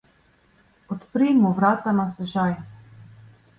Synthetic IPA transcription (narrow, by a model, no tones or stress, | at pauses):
ɔt̪pɾimuvɾat̪anast̪ɛʒaj